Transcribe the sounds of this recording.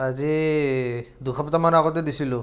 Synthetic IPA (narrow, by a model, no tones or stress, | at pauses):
azi | dukʰɔpɔtamanaɡɔt̬ɛdisilʊ